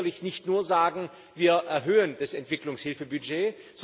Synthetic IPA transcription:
ɐlɪçnɪçtnuːɐzaːɡŋ̩ | viːɐʔɛɐɦøːənd̥asɛntv̥ɪklʊŋshɪlfəbyd͡ʒeː | z̥

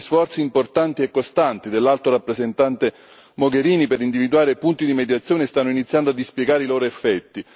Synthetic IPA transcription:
sfɔrt̪siːmport̪ant̪iɛkːost̪ant̪id̪elːalt̪orapːɾezent̪ant̪e | moɡeɾiːnipeɾind̪ivid̪uaːɾepunt̪id̪imed̪jat̪sːjɔːnest̪anːoinit̪sːjand̪oad̪ːispjeɡaːɾeiloːɾoefːɛt̪ːi

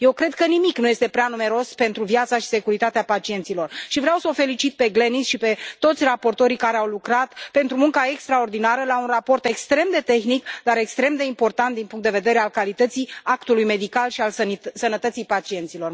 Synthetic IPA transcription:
je̞wkɾe̞d̪̚kənimiknujest̪e̞pɾeanume̞ɾo̞spe̞nt̪ɾuvijat̪saʃi̥se̞kuɾit̪at̪eapat͡ʃie̞nt̪silo̞rʃivɾeawsəofe̞lit͡ʃit̪̚pe̞ɡle̞nisʃipe̞t̪o̞t̪sʲrapo̞rt̪o̞ɾikaɾeawlukɾat̪pe̞nt̪ɾumuŋkae̞kst̪ɾao̞rd̪inaɾəlaunrapo̞rt̪e̞kst̪ɾe̞md̪e̞t̪e̞xnikd̪aɾe̞kst̪ɾe̞md̪e̞impo̞rt̪ant̪̚d̪inpuŋk̪t̪d̪e̞ve̞d̪e̞ɾe̞alkalit̪ət̪siakt̪ulujme̞d̪ikalʃialsənət̪ət̪sijpat͡ʃie̞nt̪silo̞r

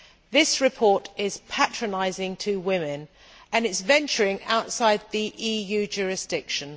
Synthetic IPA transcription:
ðɪsɹɪpʰɔˑtɪz̥pʰat͡ʃɹ̥ənaɪzɪ̃ŋtʰəwɪ̃mɪ̃n | ə̃nɪtzvɛ̃nt͡ʃəɹɪ̃ŋaʊtsaɪd̪̚ðiʔiːjʉːd͡ʒɔːɹɪsd̥ɪkʃə̃n

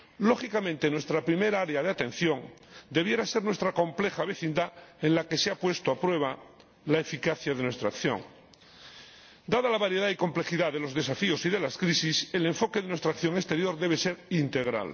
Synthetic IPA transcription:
lo̞xikamẽnt̪e̞nwe̞st̪ɾapɾime̞ɾaaɾeaðeat̪ẽ̞n̟θjo̞ŋd̪e̞β̞je̞ɾase̞ɾnwest̪ɾako̞mple̞xaβe̞θind̪aenlake̞seapwe̞st̪oapɾwe̞β̞a | laefikaθjaðe̞nwe̞st̪ɾakθjo̞̰ŋ | d̪aðalaβaɾje̞ðaiko̞mple̞xiðaðe̞lo̞zðe̞safio̞siðe̞laskɾisisele̞ɱfo̞keðenwe̞st̪ɾakθjo̞ŋe̞st̪e̞ɾjo̞ɾðe̞β̞e̞se̞ɾint̪e̞ɣ̞ɾa̰l

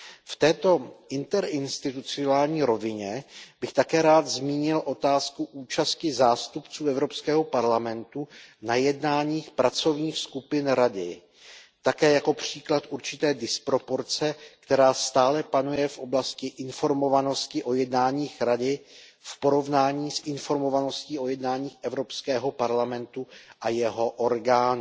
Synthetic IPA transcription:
ft̪ɛːt̪o̞ʔɪnt̪ɛɾʔɪnst̪ɪt̪ut͡sɪonaːlɲiːɾo̞vɪɲɛb̥ɪxt̪akɛːɾaːd̪zmiːɲɪlʔo̞t̪aːskuʔuːt͡ʃascɪzaːst̪upt͡suːʔɛvɾo̞pskɛːɦo̞paɾlamɛnt̪unajɛdnaːɲiːxpɾat͡so̞vɲiːxskupɪnɾadɪ̰ | t̪akɛːjako̞pr̝̥iːklat̪ʔuɾt͡ʃɪt̪ɛːdɪspɾo̞po̞ɾt͡sɛkt̪ɛɾaːst̪aːlɛpanujɛfʔo̞blascɪʔɪnfo̞ɾmo̞vano̞scɪʔo̞jɛdnaːɲiːxɾadɪ | fpo̞ɾo̞vnaːɲiːsʔɪnfo̞ɾmo̞vano̞sciːʔo̞jɛdnaːɲiːxʔɛvɾo̞pskɛːɦo̞paɾlamɛnt̪uʔajɛɦo̞ʔoɾɡaːnu

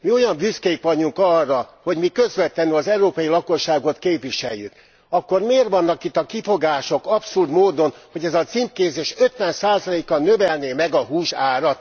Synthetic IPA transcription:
mio̞jɒɱbyskɛjikʋɒɲuŋkɒrːɒho̞ɟmikø̞zʋɛt̪lːɛnyɒzɛuɾoːpɒjilɒko̞ʃːaːɡo̞t̪keːpʋiʃɛjːy̰k | ɒkːo̞rmeːrʋɒnːɒkit̪ːɒkifo̞ɡaːʃo̞kɒpsurd̪moːd̪o̞nho̞ɟɛzɒt̪simpkeːzeːʃø̞t̪ʋɛnsaːzɒleːkɒnːøvɛlneːmɛɡɒɦuːʃaːɾɒt̪

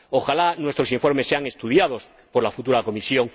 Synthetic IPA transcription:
o̞xalanwe̞st̪ɾo̞siɱfo̞ɾmesːe̞aŋest̪uð̞jað̞o̞s | po̞ɾlafut̪uɾako̞misjo̞ŋ

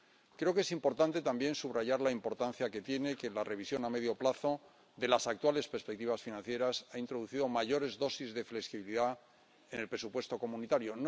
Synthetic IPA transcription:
kɾeo̞ke̞simpo̞ɾt̪ant̪e̞t̪ambje̞nsuβraʝaɾlaimpo̞ɾt̪anθjake̞t̪je̞ne̞ke̞lare̞β̞isjo̞name̞ðjo̞plaθo̞ | ðe̞lasakt̪wale̞speɾspe̞k̚t̪iβ̞asfinãn̟θje̞ɾasaint̪ɾoðuθiðo̞maʝo̞ɾe̞zðo̞sizðe̞fleksiβiliða | ene̞lpɾe̞supwe̞st̪o̞ko̞munit̪aɾjo̞n

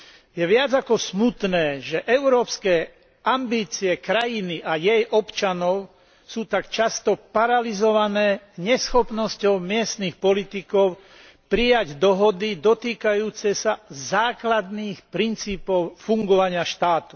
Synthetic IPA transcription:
jɛʋɪad͡zakɔsmut̪nɛːʒɛʔɛʊɾɔːpskɛː | ambiːt͡siɛkɾajiniʔajɛjʔɔpt͡ʃanɔʊ | suːt̪akt͡ʃast̪ɔpaɾalizɔʋanɛːɲɛsxɔpnɔscɔʊmɪɛst̪nixpɔlit̪ikɔʊ | pɾijaɟd̪ɔɦɔd̪id̪ɔt̪iːkajuːt͡sɛsazaːklad̪niːxpɾint͡siːpɔʊfuŋɡɔʋaɲɪaʃt̪aːt̪u̥

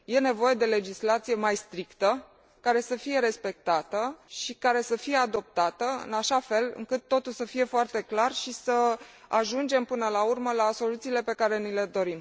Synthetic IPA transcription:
je̞ne̞vo̞je̞d̪e̞le̞d͡ʒislat̪sije̞majst̪ɾikt̪ə | kaɾe̞səfije̞ɾe̞spe̞k̚t̪at̪əʃikaɾe̞səfije̞ad̪o̞p̚t̪at̪əɨ̰naʃafe̞lɨ̰ŋkɨt̪ːo̞t̪ulsəfije̞foart̪e̞klarʃisəaʒund͡ʒe̞mpɨnəlaurməlaso̞lut̪siːle̞pe̞kaɾe̞nile̞d̪o̞ɾim

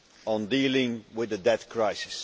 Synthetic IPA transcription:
ə̃ndiːlˠɪ̃ŋwɪðɨdɛθkʰɹ̥aɪsɪ̥s

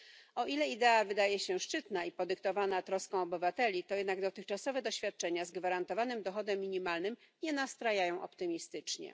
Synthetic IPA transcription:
ɔʔilɛid̪ɛavɘd̪ajɛɕɛʂt͡ʂɘt̪naipɔd̪ɘkt̪ɔvanat̪ɾɔskɔ̃w̃ɔbɘvat̪ɛlʲit̪ɔjɛd̪naɡd̪ɔt̪ɘxt͡ʂasɔvɛd̪ɔɕfʲjat̪̚t͡ʂɛɲazɡvaɾant̪ɔvanɘmd̪ɔxɔd̪ɛmːʲiɲimalnɘmɲɛnast̪ɾajajɔ̃w̃ʔɔ̰pt̪ɘmʲist̪ɘt͡ʂɲɛ̰

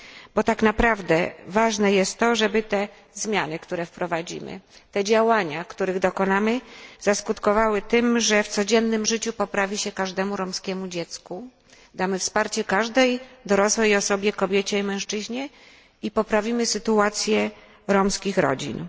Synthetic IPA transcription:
bɔt̪aknapɾavd̪ɛ̰vaʐnɛjɛst̪ːɔʐɛbɘt̪ɛ | zmʲjanɘkt̪uɾɛfpɾɔvad͡ʑḭmɘ̰t̪ɛd͡ʑawaɲakt̪uɾɘɣd̪ɔkɔnamɘz̥askut̪kɔvawɘt̪ɘmʐɛft̪sɔd͡ʑɛnːɘmʐɘt͡ɕupɔpɾavʲiɕɛkaʐd̪ɛmuɾɔmskʲɛmud͡ʑɛt̪sku | d̪amɘfspaɾt͡ɕɛkaʐd̪ɛjd̪ɔɾɔswɛjɔsɔbʲjɛkɔbʲjet͡ɕɛimɛ̃w̃ʂt͡ʂɘʑɲɛ | ipɔpɾavʲimɘsɘt̪uat̪sʲjɛ | ɾɔmskʲixɾɔ̰d͡ʑḭn

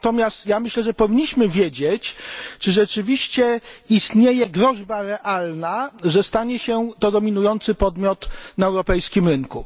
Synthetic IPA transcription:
t̪ɔmʲjast̪jamɘɕlɛʐɛpɔvʲiɲːiɕmɘvʲjed͡ʑɛt͡ɕt͡ʂɘʐɛt͡ʂɘvʲiɕt͡ɕɛist̪ɲejɛɡɾɔʐbaɾɛʔalnaʐɛst̪aɲɛɕɛt̪ɔd̪ɔmʲinujɔnt̪sɘpɔd̪mʲjɔt̪naɛwɾɔpɛjskʲimɾɘŋku

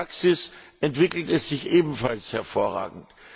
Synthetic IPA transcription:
aksɪsʔɛntv̥ɪkl̩tɛsz̥ɪçʔeːbm̩falshɛɐfoːɐʁa̰ːɡŋ̩t

